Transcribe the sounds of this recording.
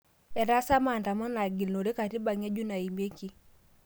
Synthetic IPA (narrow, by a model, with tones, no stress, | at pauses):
ɛ˨ɾa˦sa˦ma˨nta˨mɔ˦na˨ɡi˨lno˨ɾe˦ka˨ti˦ba˨ŋe˦d͡ʒu˦na˨i˨me˦ki˦